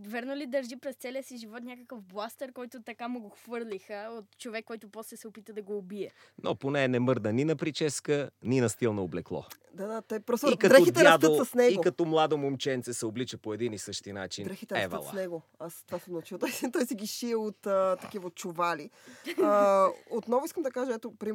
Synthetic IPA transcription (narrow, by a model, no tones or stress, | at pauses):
vɛɾnolid̪ɐɾʒipɾɛst̪sɛlʲijəsiʒivɔt̪nʲakəkəfblˠast̪ɛɾkɔjt̪ʊt̪ɐkamuɡoxvɤɾlʲixəot̪t͡ʃovɛkːɔjt̪ʊpɔslɛsɛopit̪əd̪ɐɡoːbiɛ | nʔo̰ponɛːnɛmɤɾd̪əninɐpɾit͡ʃɛskəninɐst̪ilˠnɐoblɛklˠɔ̰ | d̪ad̪at̪ɔpɾɔst̪ːkd̪ɛxitdt̪ɛɾɐasdt̪əosɐsnɛɡiokɐt̪ɔmlˠad̪omomt͡ʃɛnt̪sɛsɛoblit͡ʃəpoɛd̪inisɤʃt̪inat͡ʃind̪ɾɛxit̪ɛɾɐsvə̰l̰ˠnɛɡo | ast̪vasɛmot͡ʃilˠt̪ɔjst̪ɔjsiɡʲiʃiɛot̪ət̪ɐkivəot̪̚t͡ʃovali | ot̪nɔvʊiskəmd̪ɐkaʒɐɛt̪opɾi